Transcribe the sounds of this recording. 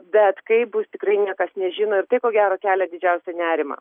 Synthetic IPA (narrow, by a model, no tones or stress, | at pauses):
bʲɛt̪kɐɪbʊst̪ʲɪkrɐɪnʲiɛkɐsnʲɛʒʲɪːnoːɪrt̪ɐɪkoːɡʲæːɾoːkʲæːlʲɛd̪ʲɪd͡ʒʲɛʊsʲɛnʲæːɾʲɪmɑ̰ː